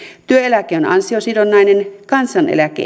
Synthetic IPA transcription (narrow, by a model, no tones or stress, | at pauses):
t̪yøelækˑeonɑ̰nsiosiɾonːɑinenkɑnsɑnḛlækḛ